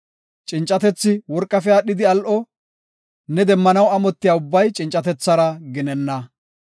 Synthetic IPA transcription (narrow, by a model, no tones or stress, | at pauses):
t͡ʃʼɪnt͡ʃʼɐt̪ɛt͡sːɪwɔɾkʼːɐfɛjaɗɪd̪ɪɐlʔɔ | nɛd̪ɛmːɐnɐwɐmɔt̪ːɪjaːʊbːɐjt͡ʃʼɪnt͡ʃʼɐt̪ɛt͡sːɐɾɐɡɪnɛnːɐ